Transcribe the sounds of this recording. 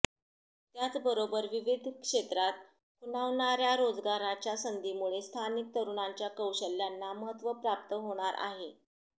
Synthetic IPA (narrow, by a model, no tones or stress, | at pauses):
t̪jat͡sbəɾobəɾʋiʋid̪ʱkʂet̪ɾat̪̚ | kʰunaʋɳaɾjaɾod͡zɡaɾat͡ɕjasənd̪imuɭest̪ʰanik̚t̪əɾuɳ̃aɲt͡ɕjakəwɕəlːjanːaməɦət̪ːʋəpɾap̚t̪əɦoɽ̃aɾʔa̰ɦe